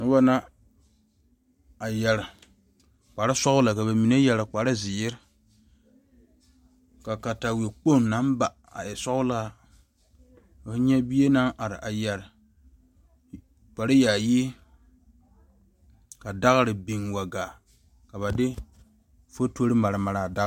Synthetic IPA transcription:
nʊ˦ba˦na˦ | a˨jɛ˨ɾɪ˨ | k͡pa˨ɾɪ˦sɔ˦ɣʊ˦la˨ka˨ba˨mi˨ne˦jɛ˨lɪ˨k͡pa˨ɾɪ˦zɪ˨jɪ˦ɾ | ka˨ka˨ta˨we˨k͡po˦˨nːa˨˦nba˨ | a̰˨ɛ˨sɔ˦kʊ˦la˦ | a˨fɲɛ˦bi˦e˦na˦ŋʔa˨ɾɪ˨ʔa˨jɛ˨ɾɪ˨ | k͡pa˨ɾɪ˦jaː˨ji˦ | ka˨da˦ɣɾɪ˨bi˨ŋwa˨ɡaː˨ | ka˨βa˨dɪ˦ | fo˦to˦ɾɪ˦ma˨ɾa˨ma˨ɾa˨da˦

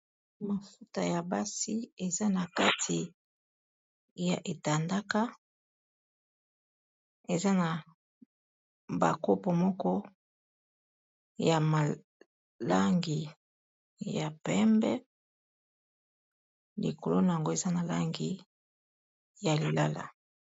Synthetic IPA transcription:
ma˨fu˦ta˨ja˨ba˦si˦e˨za˦na˨ka˦tʰi˨ | ja̰˨ʔe˨ta˨nda˦ka˦ | e˨za˦na˨ | ba̰˨ko˦po˨mɔ˦kɔ˦ | ja˨ma˨ | la˦ŋɡi˨ | ja˨pɛ˦mbɛ˦ | lḭ˨ko˨lo˦na˨ja˨ŋɡo˦e˨za˦na˨la˦ŋɡi˨ | ja˨li˨la˦la̰˨

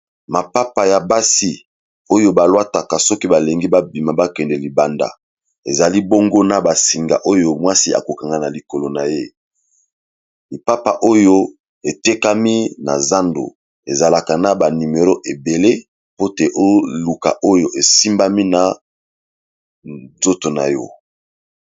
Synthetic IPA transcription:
ma˨pa˦pa˨ja˨ba˦si˦ | o˦jo˦ba˨lwa˦ta˨ka˨sɔ˦ki˦ba˨le˨ŋɡi˦ba˦bi˨ma˨ba˦kɛ˨ndɛ˨li˨ba˨nda̰˨ | e˨za˨li˦bo˦ŋɡo˦na˨ba˨si˨ŋɡa̰˨ʔo˦jo˦mwa˦si˦a̰˨ko˨ka˨ŋɡa˦˨na˨li˨ko˨lo˨na˨je˦ | li˨pa˦pa˨ʔo˦jo˦ | e˨te˦ka˦mi˦na̰˨za˦ndo̰˨ | ḛ˨za˨la˨ka˨na˨ba˨ni˨me˨ʁo˦ʔe˨be˨le˦ | po˦te˨ʔo˦lu˨ka̰˨ʔo˦jo˨ʔe˨si˦mba˦mi˦na˨ | zo˦to˨na̰˨jɔ̰˦

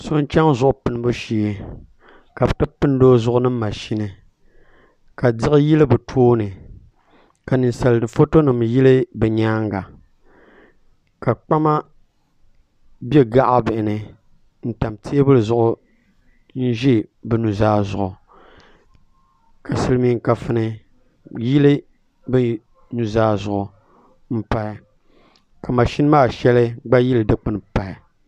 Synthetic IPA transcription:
so˦n˦t͡ʃa˦ŋzʊ˨ʔʊ˨pɨ˨n˦bo˦ʃiː˦˨e˦ | ka˨bɨ˨tɨ˦pɨ˦n˦doː˦zʊ˦ʔʊ˦nɨ˦mː˦a˨ʃi˦nɨ˨ | ka˨dɪ˦ɣɨ˦ji˦lɨ˦bɨ˨tʰoː˦nɨ˨ | ka˨nɨ˨nsa˨lɨ˨dɨ˨fo˦to˦nɨ˨mji˦lɨ˦bɨ˨ɲaː˦ŋɡa˨ | ka˨k͡pa˦ma˦ | be˦ɡa˦ʔa˦bɪ˨ʔɪ˨nɨ˨ | n̩˦˨ta˨mtʰi˦e˦bɨ˦lɨ˨zʊ˦ʔʊ˦ | n̩˦ʒi˦bɛ˨nu˨zaː˦zʊ˨ʔʊ˨ | ka˨sɨ˦lɨ˦mi˦ŋ˦ka˨fɨ˦nɨ˨ | ji˦lɨ˦ | bɨ˦ | nu˦zaː˦zʊ˨ʔʊ˨ | m̩˦pa˦ɪ˨ | ka˨ma˨ʃi˦n˦maː˦˨ʃɛ˦lɨ˦ɡ͡ba˦ji˦lɨ˨dɨ˦k͡pɨ˦npa˨ɪ˨

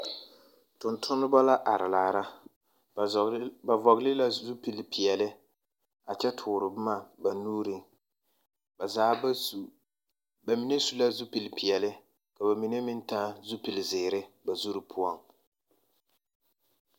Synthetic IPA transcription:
tʊ˨ntʰʊ˦nːɨ˦ba˦la˦ʔa˨ɾɪ˨laː˨ɾa˦ | ba˨vɔ˨ɡlɪ˦la˦zu˦pi˨lpi˨ɛ˨lɪ˦ | a˨t͡ʃɛ˦tʰʊː˨ɾɨ˨bʊ˦ma˦ba˨nuː˦ɾi˨ŋ˨ | zaː˦˨ | ba˨mi˨nɛ˦su˨la˦zu˦pi˨lpi˨ɛ˨lɪ˦ | ka˨ba˨mi˨nɛ˦mɪ˦n˦ta˦zu˦pi˨lɪ˨zɪː˨ɾɪ˦ba˨zu˦ɾɨ˨pʰʊ˦a˦˨ŋ

